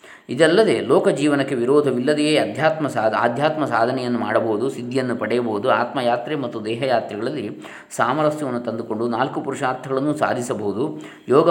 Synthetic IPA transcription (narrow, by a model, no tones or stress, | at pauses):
id̪ɛlːɐd̪e̞ːlɔːkɐd͡ʒiːʋɐnɐkːe̞ʋiɾɔːd̪ʱɐʋilːɐd̪ɛɡeːɐd̪ʱjaːt̪mɐsaːa̰ːd̪ʱjaːt̪mɐsaːd̪ʱɐnɛjɐnːuma̰ːɽɐbɐɦud̪usid̪ʱːijɐnːupɐɽɛjɐbɐud̪uaːt̪mɐjaːt̪ɾemɐt̪ːud̪ɛːɦɐjaːt̪ɾɛɡɐɭɐlːi | saːmɐɾɐst̪jɐʋɐnːut̪ɐnd̪uko̞ɳɖunaːlkupuɾuʂaːɾt̪ʰːɐɡɐɭɐnːusa̰ːd̪ʱisɐbɐɦud̪u | jɔːɡɐ